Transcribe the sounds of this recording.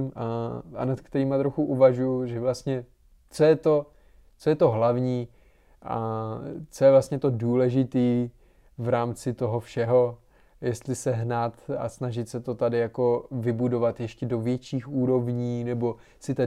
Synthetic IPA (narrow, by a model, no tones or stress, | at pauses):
maa̰nat̪kt̪ɛɾiːmat̪ɾoxuʔuvaʒujuʒɛvlast̪ɲɛ | t͡sojɛt̪o | t͡sojɛt̪oɦlavɲiː | ʔa̰ | t͡sojɛvlast̪ɲɛt̪o̞duːlɛʒɪt̪iː | vɾaːmt͡sɪt̪o̞ɦo̞fʃɛɦo̞ | jɛst̪lɪsɛɦnaːt̪a̰snaʒɪt̪sɛt̪o̞t̪adɪjako̞vɪbudo̞vat̪jɛʃcɛdovjɛt͡ʃiːxuːɾo̞vɲiːnɛbo̞ | sɪt̪a